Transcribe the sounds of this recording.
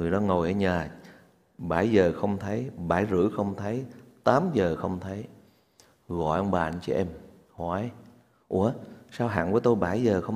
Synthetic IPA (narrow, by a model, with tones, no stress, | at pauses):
ŋɨ˨˩əjɗɔ˨˦ŋo˨˩jʔəː˧˩˦ɲaː˨˩ | ɓaː˧˩jzəː˨˩xə˧wŋ͡mt̪ʰə˨˦jɓaː˧˩jzɨ̰˧˥xə˧wŋ͡mt̪ʰə˨˦jt̪aː˨˦mzəː˨˩xə˧wŋ͡mt̪ʰə˨˦j | ɣɔ̰˧˨jʔə˧wŋ͡mɓaː˨˩˨t͡ɕɛ̰˧ʔɛ˧m | ha˨˧˦j | ʔu˧˦əsaː˧wɦa̰ː˧˨ŋku˧˨˦t̪o˧jɓaː˧˩jzəː˨˩xə˧w